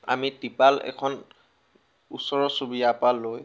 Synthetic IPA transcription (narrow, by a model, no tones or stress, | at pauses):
a̰mitipalɛ̰kʰɔn | ṵsɔɹɔsubijapalːoj